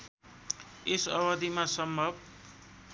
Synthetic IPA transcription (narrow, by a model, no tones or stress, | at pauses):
esʌwʌd̪imasʌmbʱʌb